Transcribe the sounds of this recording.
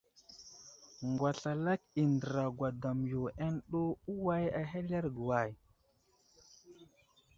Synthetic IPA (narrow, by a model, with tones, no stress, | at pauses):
ŋɡwa˨ɬa˨la˦ki˨ndə˨ɾa˨ɡʷwa˨da˨mjo˨ʔe˦nɗo˦u˦wa˦ja˨ɦe˦le˦ɾɡwa˨j